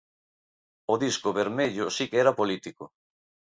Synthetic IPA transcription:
oðiskoβeɾmeʎosikeɛɾapolit̪iko

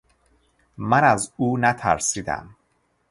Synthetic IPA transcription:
mænæzuːnæt̪ʰæ̰ɾsiːd̪æ̰m

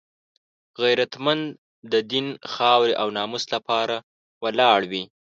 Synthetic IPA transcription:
ɣajɾat̪mand̪ | d̪əd̪inxɑwɾeʔawnɑmʊslapɑɾa | wəlɑɽwi

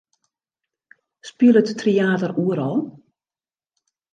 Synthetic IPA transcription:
spiəlˠətːriaːtəruəɾɔlˠ

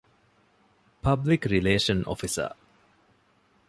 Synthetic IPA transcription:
pʰɐblikɾileːʃɐno̰fisɐ̰

